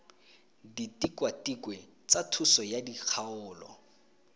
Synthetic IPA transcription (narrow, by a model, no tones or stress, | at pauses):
ditikwatikwɛ | t͡satʰusɔjadik͡xʰaʊːlɔ̰